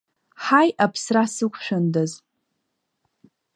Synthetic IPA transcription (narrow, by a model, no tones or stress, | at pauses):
ħajʔapʰsrasɨkʷʰʃᶣandaz